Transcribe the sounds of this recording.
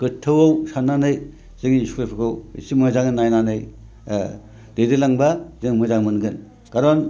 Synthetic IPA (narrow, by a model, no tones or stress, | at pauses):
kɯtʰːɯwawsanːanɯj | zɯŋisu̥kɾepʰɯkʰawḭsimɯzaŋɯnajnanɯj | d̥edilaŋbazɯŋmɯzaŋmɯnɡɯn | kaɾɔn